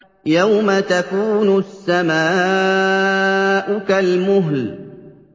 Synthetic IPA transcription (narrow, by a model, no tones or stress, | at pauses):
jawmat̪akuːnʊsːamaː | ʔʊkalmʊɦl